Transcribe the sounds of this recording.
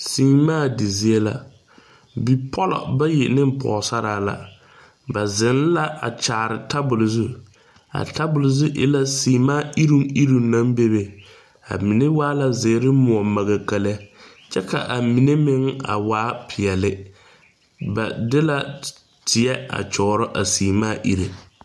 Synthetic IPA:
siː˨˦maː˦˨dɪ˨zi˨e˦la̰˨ | bi˨pʰɔ˦lɔ̰˨ba˦jɪ˨nɪ˦m˦pʰɔ̰ː˨sa˦ɾaː˦la̰˨ | ba˨zɪ˨˦n˦la˦ʔa̰˨t͡ʃaː˨ɾɪ˨tʰa˦bʊ˨lzu˦ | a̰˨ta˦bʊ˨lzu˦ʔɪ̰˦la˦siː˨˦maː˦i˦ɾu˦ŋi˦ɾu˨na˦mbe˦be˨ | a̰˨mi˨ne˦waː˦la˦zɪ˨˦ɾɪ˦mʊ˨ɔ˨ma˨ɣa˨ka˨la˦ | t͡ʃɛ˦ka̰˨ʔa˨mi˨ne˦mɪ˦ŋa̰˨waː˦pʰɪ˨ɛ˨lɪ˨ | ba˨dɪ˦la˦ | tʰɪ˨ɛ˦a̰˨t͡ʃɔː˨˦ɾɔ˦ʔa˨siː˨maː˦˨ʔi˦ɾe˨

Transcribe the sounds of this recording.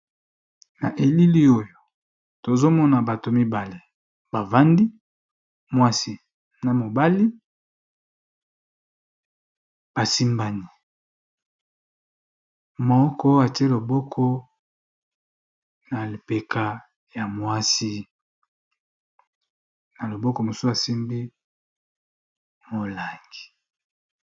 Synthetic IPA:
na˨ʔe˨li˦li˦o˦jo˨ | to˨zo˦mɔ˦na˨ba˨to˨mi˦ba˨le˨ | b̥a˨va˦ndi˦ | mwa˦si˨ | na˨mo˨ba˦li˦ | b̥a˨si˦mba˨ni˨ | mo˨ɔ˦kɔ˦a˨te˦lo˨bɔ˦kʰɔ˦ | na˨li˨pe˨kʰa˨ | ja˨mwa˦si˦ | na˨lo˨bɔ˦kɔ˨mo˨so˦a˨si˦mbi˦ | mo˨la˨ŋɡi̥˨

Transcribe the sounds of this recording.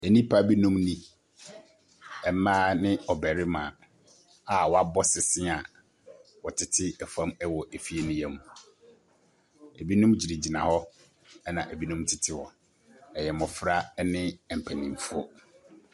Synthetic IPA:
ɛ˨nĩ˦pʰa˦bi˦nũ˦mnĩ˦ | ɛ˨˦mãː˦nɪ̃˦ɔ˨bɛ˨ɾɪ˦mã˨ | a˨wɔ˨˦a˦bɔ˦sɪ˨sɪ̃˦a˨ | wɔ˨tʰɪ˦tʰɪ˦ɛ˨fã˦mɛ˦wɔ˨ʔe˨fi˦e˨nʊ̃˦jɛ˦mũ˨ | æ˨bi˦nũ˦md͡ʑi˨ɾi˨d͡ʑi˨nã˨hɔ˦ | ɛ˦nã˨ʔæ˨bi˦nũ˦mtʰɪ˨tʰɪ˦wɔ˨ | ɛ˨jɛ˨mʊ̃˨fɾa˦ɛ˦nɪ̃˦˨m̩˨pʰæ˨nĩ˨m˨fɔ˦

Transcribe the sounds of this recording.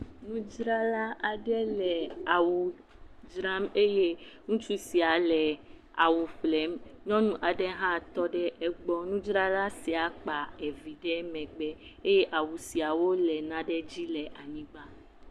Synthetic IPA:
nũ˦d͡ʒɾa˦la˦ʔa˨ɖɛ˦lɛ˨a˨wu˨ | d͡ʒɾa˦me˦je˦ŋũ˦t͡ʃu˦si˨a˨lɛ˨ | a˨wu˨ɸlɛ˨˦mɲɔ̃˦nũ˦ʔa˨ɖɛ˦ɦã˦˨t̪ɔ˦ɖɛ˦ʔɛ˦ɡ͡bɔ˦nũ˦d͡ʒɾa˦la˦si˨a˨k͡pa˨ɛ˨vi˨ɖɛ˦mɛ̃˨ɡ͡bɛ˦e˦je˦ʔa˨wu˨si˨a˨wo˦lɛ˨nã˦ɖɛ˦d͡ʑi˦lɛ˨ʔa˨ɲĩ˦ɡ͡ba˦

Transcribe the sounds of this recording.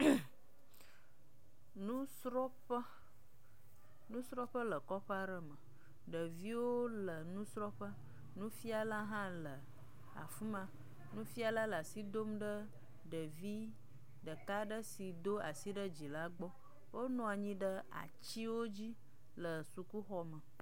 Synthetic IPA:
nũ˦sɾɔ˦ɸə˦ | nũ˦sɾɔ˦ɸə˦lə˨kɔ˦ɸa˦ɖə˦mə˨ | ɖə˨vi˦wo˦lə˨nũ˦sɾɔ˦ɸə˦ | nũ˦fi˦a˨la˦ɦã˦lə˨ | a̰˨fu˦mã˨ | nũ˦fi˦a˨la˦lə˨a˨si˦d̪o˦mɖə˦ | ɖə˨vi˦ | ɖə˨ka˦ɖə˦si˨d̪o˦a˨si˦ɖə˦d͡ʑi˨la˦ɡ͡bɔ˦ | wo˦nɔ̃˨a˨ɲĩ˦ɖə˦a̰˨t͡ɕi˦wo˦d͡ʑi˦ | lə˨su˨ku˦xɔ˦mə̃˨

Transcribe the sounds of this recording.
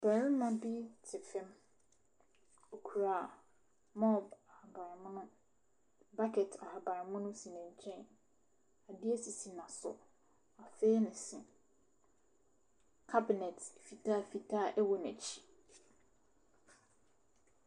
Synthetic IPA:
b̥æ̃˨ɾĩ˦mã˦bi˦tʰɪ˨fɛ̃˦m | o˨kʰu˨ɾa˨ | mɔ˦ba˨ha˨ba˨ɾɪ˨mʊ̃˦nʊ̃˦ | ba˦kʰɛ˨tʰa˨ha˨ba˨ɾɪ˨mʊ̃˦nʊ̃˦sĩ˨nɛ̃˨ɲ̩˨t͡ɕʰɛ̃˦n | a˨dɪ˦ɛ˦si˨si˨nã˨sʊ̰˨ | a˨fɛː˦nɪ̃˨sɪ̃˨ | kʰa˦bɪ˨nɛ˨tfi˨tʰa˦˨fi˨tʰa˦˨ʔɛ˦wɔ˨næ˨t͡ɕʰi̥˦

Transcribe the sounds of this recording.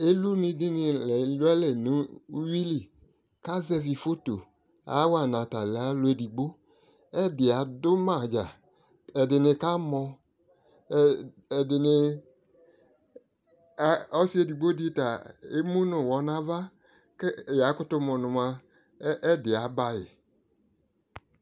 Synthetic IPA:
e˦lu˦nĩ˧di˦nɪ˨lɛ˨lʊ˦ɛ˦lɛ˨nũ˨˦wi˦li˨ | ka˦zɛ˦vi˨fo˦to̰˨ | a̰˨˦wa˨nã˨ta˨lɛ˨a˦lo˦e˨di˨ɡ͡bo˦ | ɛ˦dɪ˨a˨dʊ˦mã˨d͡ʒa˨ | ɛ˨dɪ˨nɪ˧ka˦mɔ̃˧˨ | ɛ˨dɪ˨nɪ˧˨˦ | ɔ˦si˦e˨di˨ɡ͡bo˦di˦ta˨e˦mũ˦nʊ̃˨wɔ˨˦nã˨˦va˦ | kɛ˦˨ja˨˦kʊ˦tʊ˧mɔ̃˨nʊ̃˨mã˧˦ | ʔɛ˦dɪ˨a˨˦ba˧jɪ˨

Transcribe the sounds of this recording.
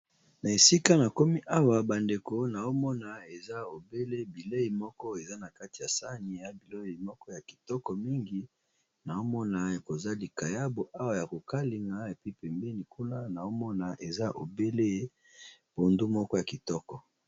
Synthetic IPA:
na˨e˨si˦ka˦na˨ko˦mi˦ʔa˦wa˨ba˨nde˨ko˨na˨o˦mɔ˦na˨e˨za˦o˨be˦le˦bi˨le˦i˨mɔ˦kɔ˦e˨za˦na˨ka˦ti̥˨ja˨sa˦ni˨ja˦bi˨lo˦i˨mɔ˦kɔ˦ja˨ki̥˨tɔ˦kɔ˨mi˦ŋɡi˦ | na˨o˦mɔ˦na˨e˨ko˨za˦li˨ka˨ja˦bo˨ʔa˦wa˨ja˨ko˨ka˦li˨ŋɡa˦e˨pi˦pɛ˨mbɛ˦ni˨ku˦na˦na˨o˦mɔ˦na˨ʔe˨za˦ʔo̰˨be˦le˦ | bo˨ndu˦mɔ˦kɔ˦ja˨ki˨tɔ˦kɔ˨

